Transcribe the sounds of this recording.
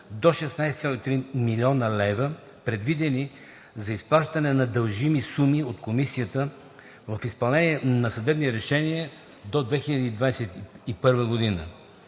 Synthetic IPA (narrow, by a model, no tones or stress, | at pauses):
d̪oʃɛsnajst̪sʲalˠoit̪ɾimilʲiɔnəlɛvə | pɾɛd̪vid̪ɛni | zɐispɾˠaʃt̪ɐnɛnɐd̪ɐlˠʒimisumiot̪komisiət̪ə | vɐfispɐlˠnɛniɛnɐsɐd̪ɛbniɾɛʃɛniə | d̪od̪vɛxilʲɐd̪iːd̪vajɛsɛt̪ipɤɾvəɡod̪inə̰